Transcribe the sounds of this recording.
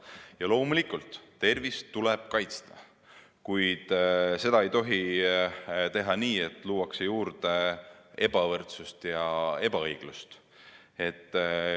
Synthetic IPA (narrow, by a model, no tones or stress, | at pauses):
jɑlo̞ːmulikult̪ːe̞rvist̪uleb̥̚kɑjt̪st̪ɑ̥ | kujd̪̥se̞d̪ɑe̞jt̪o̞ɦi | t̪e̞ɦɑniːet̪ːˑluːwɑksejuːɾd̪̥ee̞b̥ɑvɤrt̪sust̪jɑe̞b̥ɑɤjɡ̥lust̪ | e̞t̪ˑː